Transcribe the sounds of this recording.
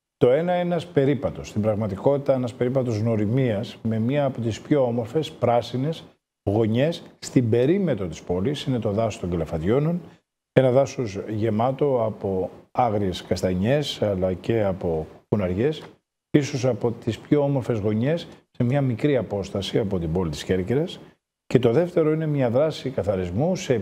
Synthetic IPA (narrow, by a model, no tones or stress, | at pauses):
t̪o̞e̞nɐeɐspe̞ɾipɐt̪o̞st̪ibɾɐɣmɐt̪iko̞t̪it̪ɐenɐspe̞ɾipɐt̪o̞zno̞ɾimiɐsme̞mɲiɐːpo̞t̪ispço̞omo̞ɾfe̞spɾɐsine̞s | ɣo̞ɲe̞sːt̪ibe̞ɾime̞t̪ɾo̞t̪i̥spo̞lisine̞t̪o̞ðɐsost̪o̞ŋɡlɐfɐt̪ʝo̞no̞n | e̞nɐðɐsozʝe̞mɐt̪o̞ɐpo̞ɐɣɾie̞skɐst̪ɐɲe̞sɐlɐce̞ɐpo̞funɐɾʝe̞s | iso̞sɐpo̞t̪ispço̞omo̞ɾfe̞zɣo̞ɲe̞sːe̞mɲɐmikɾiɐpo̞st̪ɐsiɐpo̞t̪ibo̞lit̪i̥sçe̞ɾceɾɐs | ce̞t̪o̞ðe̞ft̪e̞ɾo̞ine̞mɲɐðɾɐsikɐθɐɾizmuse̞